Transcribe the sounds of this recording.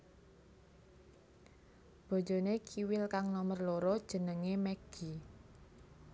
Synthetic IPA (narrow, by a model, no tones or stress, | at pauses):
b̥ɔ̤d͡ʒo̤nekʰiwɪlkaŋnɔmərloɾɔd̥ʒ̥ə̤nəŋemɛɡ̥i